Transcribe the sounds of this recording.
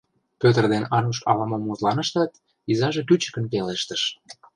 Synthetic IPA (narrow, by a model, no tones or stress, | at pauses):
pøt̪ə̆rd̪enɑnuʃɑ̰βɑmomuzlɑnə̆ʃt̪ɑt̪ | izɑʒekyt͡ɕə̥kə̆nkeleʃt̪əʃ